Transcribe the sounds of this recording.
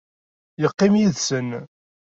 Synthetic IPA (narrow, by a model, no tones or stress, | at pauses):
jəqːimjiðsən